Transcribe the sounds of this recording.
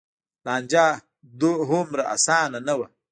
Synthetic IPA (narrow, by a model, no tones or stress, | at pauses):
land͡ʒa | d̪uɦumɾaʔa̰saːnanəwa